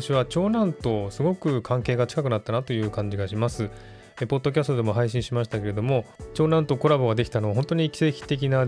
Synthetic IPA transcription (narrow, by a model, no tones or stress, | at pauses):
ɕiβat͡ɕo̞ːnãnt̪o̞sɨɡo̞kɯ̟kʰãŋke̞ːɡat͡ɕi̥kakɯ̟nat̪ːanat̪o̞jɯ̟ːkãɲ̟d͡ʑiɡaɕimasɨ | epo̞d̪ːo̞kʲasɨ̥t̪od̪e̞mo̞ɦaiɕĩɕimaɕi̥t̪ake̞ɾe̞d̪o̞mo̞t͡ɕo̞ːnãnt̪o̞ko̞ɾabo̞ɡad̪e̞kʲi̥t̪ano̞βaɦont̪o̞ɲ̟ikʲi̥sekʲi̥t̪e̞k̬ʲina